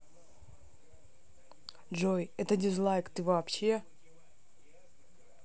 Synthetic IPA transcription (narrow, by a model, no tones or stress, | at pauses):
d͡ʒojɛt̪ədʲɪzlˠajkt̪ɨvɐːpɕe̞